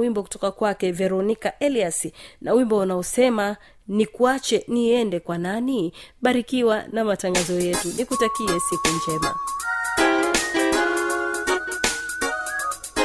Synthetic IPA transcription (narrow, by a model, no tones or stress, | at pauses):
wimbɔk̬u̥tɔkakwakɛvɛɾɔnikaʔɛliasinawimbɔunaɔsɛma | nikuat͡ʃɛniɛndɛkwananiɓaɾikiwanamataŋɡazɔjɛtunikutakiɛsikund͡ʒɛma̰